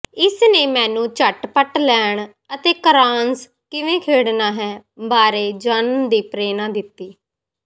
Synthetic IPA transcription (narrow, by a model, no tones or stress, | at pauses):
ɪsneːmɛ̃ːnũːt͡ʃəʈpəʈlɛːɳ | ət̪eːkəɾaːns | kɪʋẽːkʰeːɽnaːɦɛːbaːɾeːd͡ʒənd̪iːpɾeːnãːd̪ɪt̪ːiː